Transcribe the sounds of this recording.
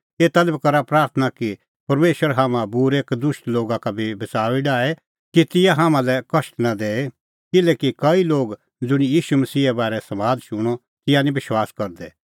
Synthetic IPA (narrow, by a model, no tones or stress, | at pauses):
eːt̪ɐlbkɐɾapɾaːɾt̪ʰənaki | pɐɾmeːʃəɾɦaːmãbʊɾeːkd̪ʊsʈloːɡakabʱibɪt͡saːʋiɖaːe | kit̪ɪjaɦaːmãlɛkɐsʈnad̪eːe | kɪlɛːkikɐiloːɡ | d͡zʊɽ̃ijiːʃumɐsiːɛbaːɾɛsɐmaːd͡zʃʊɽ̃ɔ | t̪ɪjanĩbɪʃwaːskɐɾd̪ɛ